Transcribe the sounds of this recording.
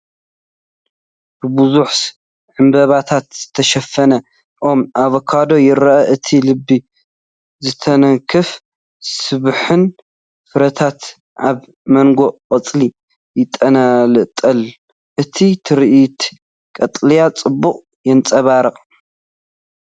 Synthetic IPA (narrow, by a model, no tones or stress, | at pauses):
b̥ɨbɨzuħ | ʕɨmbɐβat̪ʰat̪z̥ɨt̪ʰɐʃɐfːɐnɐ | ʔo̞mʔaβɐkʰad̪o̞jɪɾɐʔɐʔɨt̪ʰilɨbːi | zɨt̪ʰɐnɐŋkʰɨf | sɨβħɨn | fɨɾɐt̪ʰat̪ | ʔaβ | mɐŋɡo̞qʼɐt͡sʼli | jɪt̪ʼɐnalɨʔt̪ʼːɐl | ʔɨt̪ʰit̪ʰɨɾiʔit̪ | kʼɐt̪ʼlijat͡sʼɨbːuqʼ | jɛnt͡sʼɐβaɾɐqʼ